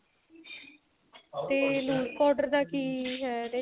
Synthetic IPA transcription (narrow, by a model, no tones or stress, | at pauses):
t̪eːluːkɔːɾɖəɾd̪aːkiːɦɛɾe